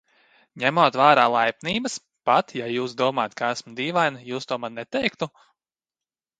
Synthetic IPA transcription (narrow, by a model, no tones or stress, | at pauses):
ɲɛmoɔt̪vaːɾaːlˠajpniːbəs | pat̪jajuːsd̪uɔmaːt̪̚kaæsmud̪iːvajnjuːst̪uɔmannɛt̪ɛjkt̪u